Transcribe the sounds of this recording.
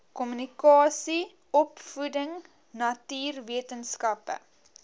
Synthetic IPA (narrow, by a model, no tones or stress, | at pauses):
kɔmynikɑːsi | ɔpfudəŋ | nɐtiːrviətənskɐpə̰